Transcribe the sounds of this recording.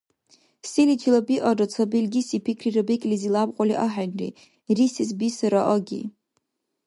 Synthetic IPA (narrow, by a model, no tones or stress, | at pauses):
silit͡ʃʰilabiʔarat͡sʰabilɡʲisipʰikʰrirabekʲʼlizilabqʼaliʔaħanrḭ | risisbisɨɾaʔəɡʲḭ